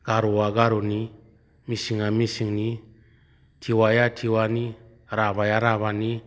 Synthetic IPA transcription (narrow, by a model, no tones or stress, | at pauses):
ɡ̥aɾuaɡaɾuni | misiŋamisiŋni | tʰiwajatʰiwani | ɾabajaɾaβani